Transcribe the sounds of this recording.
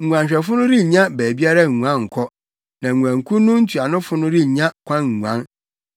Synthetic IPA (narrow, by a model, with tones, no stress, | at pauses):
ŋ̩˨ɡʷũ˨ã˨ɲ˨ɕᶣɛ˨fʊ˦nʊ̃˦ɾi˦ɲ˨ɲã˦bæː˨bi˦a˦ɾa˦ŋ˨ŋ˨ã˦ŋ̩˨kʰɔ˦ | nã˨ŋũ˨ã˨ŋ̩˨kʰũ˦nʊ̃˦n̩˦tʰu˨a˨nʊ̃˦fʊ˦nʊ̃˦ɾi˦˨ɲã˦kʷʰã˦ŋ̩˨ŋũ˨ã˦n